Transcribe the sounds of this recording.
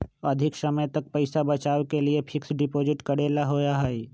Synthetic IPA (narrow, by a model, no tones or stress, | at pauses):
ɐd̪ʱɪksɐməjt̪ɐk̚pɐɪsabɐt͡ʃaːwkeliepʰɪksɖɪpoːd͡ʒɪʈkɐɽeːlaɦoːjaɦɛi